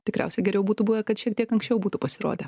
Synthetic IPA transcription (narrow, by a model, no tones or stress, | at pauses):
t̪ʲɪkɾʲæ̰ʊsʲɛɡʲɛɾʲɛʊbuːt̪ubuːʋʲɐkɐt̪ʃʲiɛk̚t̪iɛkɐŋksʲt͡ʃʲɛʊbuːt̪upɐsʲɪɾo̰ːd̪ʲɛ